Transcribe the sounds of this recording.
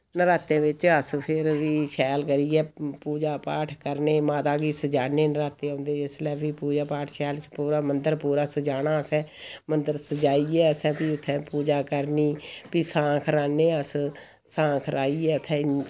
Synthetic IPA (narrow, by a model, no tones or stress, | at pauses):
nəɾaːt̪ẽːʋɪt͡ʃəspʰɪɾʋiːʃɛːlkəɾiːɛːpuːd͡ʒaːpaːʈʰkəɾneːmaːt̪aːɡiːsəd͡ʒaːneːnəɾaːt̪eːõːnd̪eːɪslɛːbiːpuːd͡ʒaːpaːʈʰʃɛːlt͡ʃpuːɾaːmənd̪əɾpuːɾaːsəd͡ʒaːnaːəsɛ̃ːmənd̪əɾsəd͡ʒaːiːɛːəsɛ̃ːpiːʊt̪ʰːɛ̃ːpuːd͡ʒaːkəɾniːpiːsãːkʰɾaːneːəs | sãːkʰɾaːiːɛːʊt̪ʰːɛ̃ː